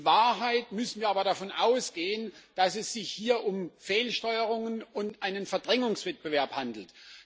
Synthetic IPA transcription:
vaːɐɦaɪtmʏsn̩viːɐaːbɐɾafɔnʔaʊsɡ̥eːənd̥asɛsz̥ɪçhiːɐʔʊmfeːlʃtɔʏəʁ̞ʊŋənʊntʔaɪnənfɛɐdʁɛŋʊŋsv̥ɛt̚b̥əvɛɐphandl̩t

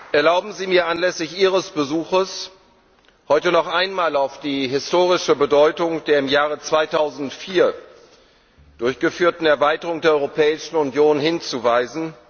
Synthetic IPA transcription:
ʔɛɐlaʊbm̩ziːmiːɐʔanlɛsɪçʔiːʁəsb̥əzuːxəs | hɔʏtənɔχʔaɪnmaːlaʊfd̥iːɦɪstoːʁɪʃəbədɔʏtʊŋd̥eːɐɪmjaːʁət͡sv̥aɪtʰaʊzn̩tfiːɐ | d̥ʊɐçɡ̥əfyːɐtn̩ɛɐvaɪtəʁʊŋdeːɐɔʏʁopʰɛːɪʃn̩ʊnjoːnhɪnt͡suvaɪzn̩

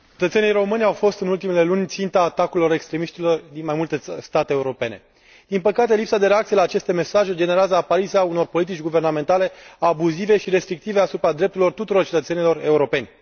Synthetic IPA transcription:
t͡ʃe̞t̪ət̪se̞nijɾo̞mɨnʲawfo̞st̪ɨnult̪imele̞lunʲt̪sint̪aːt̪akuilo̞ɾe̞kst̪ɾe̞miʃt̪ilo̞rd̪inmajmult̪e̞st̪at̪eːuɾo̞pe̞ne̞̰ | d̪̥inpəkat̪e̞lipsad̪e̞ɾeak̚t̪ijelaːt͡ʃe̞st̪e̞me̞saʒed͡ʒe̞neɾeazəapaɾit̪seauno̞rpo̞lit̪̬it͡ʃʲɡuve̞rname̞nt̪ale̞abuzive̞ʃiɾe̞st̪ɾik̚t̪iveasupɾad̪ɾept̪uɾilo̞rt̪ut̪uɾo̞rt͡ʃet̪ət̪senilo̞re̞uɾo̞pe̞nʲ

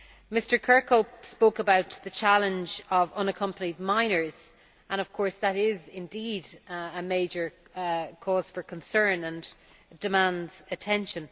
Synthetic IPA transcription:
mɪstə˞kʰɜ˞kʰoʊpspoʊkəbaʊt̪ðət͡ʃʰalə̃nd͡ʒəvʌ̃nəkʰʌ̃mpənid̚mãɪ̃nə˞z̥ | ʔə̃ñəv̥kʰɔɹsðəɾɪzɪ̃ndidəmeɪd͡ʒə˞kʰɔːz̥fə˞kʰə̃nsɜ̃˞nə̃n | d̥ɪmãndz̥ətʰɛ̃nʃə̃n

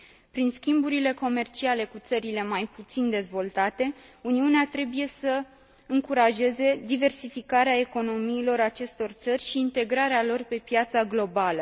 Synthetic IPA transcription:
pɾinskʲimbuɾile̞ko̞me̞rt͡ʃiale̞kut̪səɾile̞majput̪sind̪e̞zvo̞lt̪at̪e̞uniuneat̪ɾe̞buje̞sə | ɨŋkuɾaʒe̞ze̞d̪ive̞rsifikaɾeae̞ko̞no̞miːlo̞ɾat͡ʃe̞st̪o̞rt̪sərʲʃiːnt̪e̞ɡɾaɾealo̞rpe̞pjat̪saɡlo̞balə

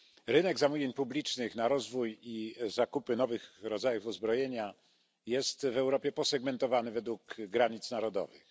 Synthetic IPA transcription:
ɾɘnɛɡzamuvʲjeɲpublʲit͡ʂnɘxnaɾɔzvujizakupɘnɔvɘxɾɔd̪zajufuzbɾɔjeɲa | jɛst̪vɛwɾɔpʲjɛpɔsɛɡmɛnt̪ɔvanɘvɛd̪wuɡɡɾaɲit̪snaɾɔd̪ɔ̰vɘ̰x

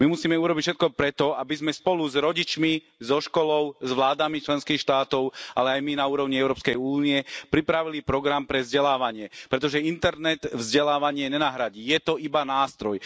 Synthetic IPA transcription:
mimusiːmɛuɾɔbicʃɛt̪̚kɔpɾɛt̪ɔabizmɛspɔluzɾɔɟit͡ʃmi | zɔʃkɔlɔʊzʋlaːd̪amit͡ʃlɛnskiːxʃt̪aːt̪ɔʊʔalɛajminauːɾɔʊɲiɛʊɾɔːpskɛjuːniɛpɾipɾaʋilipɾɔɡɾampɾɛvzɟɛlaːʋaɲɪɛpɾɛt̪ɔʒɛint̪ɛɾnɛt̪vzɟɛlaːʋaɲɪɛɲɛnaɦɾaɟiːjɛt̪ɔibanaːst̪ɾɔj

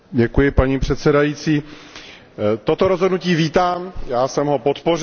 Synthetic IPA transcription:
ɟɛkujɪpaɲiːpr̝̥ɛt̪sɛdajiːt͡siː | t̪o̞t̪o̞ɾo̞zɦodnuciːviːt̪aːmjaːsɛmɦo̞po̞t̪po̞r

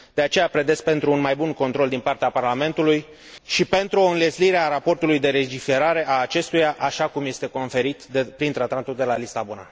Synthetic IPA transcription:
d̪̥e̞at͡ʃe̞japɾe̞d̪e̞spe̞nt̪ɾuːnmajbunko̞nt̪ɾo̞ld̪inpart̪eaparlame̞nt̪uluj | ʃipe̞nt̪ɾuo̞ɨnle̞zliɾeaɾapo̞rt̪ulujd̪e̞ɾe̞d͡ʒife̞ɾaɾe̞ʔaːt͡ʃe̞st̪ujaʔaʃakumje̞st̪e̞ko̞nfe̞ɾit̪epɾint̪ɾat̪at̪uld̪e̞lalisabona̰

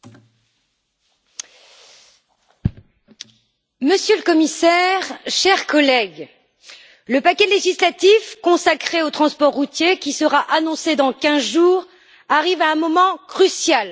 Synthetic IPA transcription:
məsjøləkɔmisɛʁʃɛʁkɔlɛɡ | ləpakʲɛleʒislat̪ifkɔ̃sakχeot̪χɑ̃spɔʁːut̪jekʲisəʁaʔanɔ̃sed̪ɑ̃kʲɛ̃zʒuːʁ | aʁivaɛ̃mɔmɑ̃kχysjal

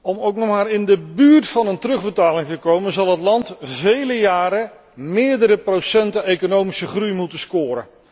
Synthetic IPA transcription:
ɔmowknɔχmaːɾɪndəbyːɹtfɑnəntərɵχbətaːlɪŋtəkowmənzɑlˠɦətlɑntvejləjaːɾə | mɪːɹdəɾəprosɛntəejkonowmisəχrujmutənskʊːɾə̰n

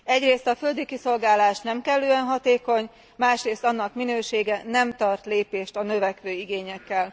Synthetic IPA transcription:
ɛɟreːst̪ɒføld̪ikiso̞lɡaːlaːʃnɛmkɛlːøːɛnɦɒt̪eːko̞ɲ | maːʃreːst̪ɒnːɒkminøːʃeːɡɛnɛmt̪ɒrt̪leːpeːʃt̪ɒnø̞vɛkʋøːiɡeːɲɛkːɛl

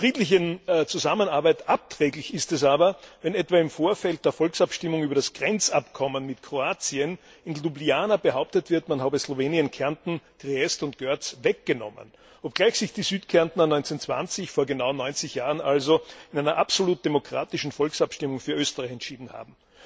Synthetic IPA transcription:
fʁ̥iːtlɪçət͡suzamənaɐbaɪtʔap̚tʁ̥ɛːɡlɪçɪstɛs̬aːbɐvɛnɛtv̥aːɪmfoːɐfɛlt̚d̥eːɐfɔlksapʃtɪmʊŋyːbɐɾasɡ̥ʁɛnt͡sapkʰɔmənmɪtkʰʁ̥oaːt͡siən | ɪnlubliaːnabəɦaʊp̚tətv̥ɪɐtmanhaːbəsloveːniənkʰɛɐntn̩ɡ̥ʁeɛstʊnt̚ɡ̥œɐt͡svɛk̚ɡ̥ənɔ̰mə̰n | ʔɔp̚ɡ̥laɪçsɪçd̥iːzyːtkʰɛɐntn̩ənɔʏnt͡sent͡sv̥a̰nt͡sɪçfoːɐɡənaʊnɔʏnt͡sɪçjaːʁənʔalzoɪnæɪnɐʔapsoluːt̚d̥emokʁ̥a̰ːtɪʃn̩fɔlksapʃtɪmʊŋfyːɐʔøːstəʁaɪçɛntʃiːdn̩ha̰ːbm̩

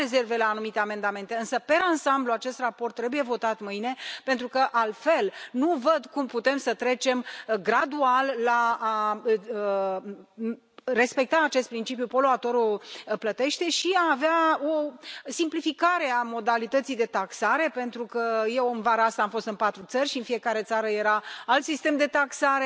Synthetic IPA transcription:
eze̞rve̞laːnumit̪e̞ame̞nd̪ame̞nt̪e̞ɨnsəpe̞ɾansambluat͡ʃe̞st̪rapo̞rt̪ːɾe̞buje̞vo̞t̪at̪mɨjne̞pe̞nt̪ɾukəʔalfe̞lnuvəd̪kumput̪e̞msət̪ɾe̞t͡ʃe̞mɡɾad̪ualːaː | re̞spe̞k̚t̪aːt͡ʃest̪̚pɾint͡ʃip̬jupo̞loat̪o̞ɾoplət̪e̞ʃt̪e̞ʃiaːveaosimplifikaɾe̞amo̞d̪alit̪ət̪sijd̪e̞t̪aksaɾe̞pe̞nt̪ɾukəje̞wɨnvaɾəast̪aːmfo̞st̪ɨnpat̪ɾut̪sərʲʃiɨnfije̞kaɾe̞t̪saɾəje̞ɾaalt̪sist̪e̞md̪e̞t̪aksaɾe̞

